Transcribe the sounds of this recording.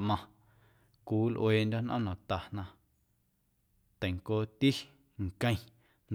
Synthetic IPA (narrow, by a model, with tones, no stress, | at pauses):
mã˧ | kuː˨˦lʔw̰eː˧˨nd̪ʲo˦nʔɔ̰̃˦nã˨t̪a˨nã˧ | t̪ə̃˨ŋkoː˦t̪i˦ | ŋ˨kə̃˧˨ | n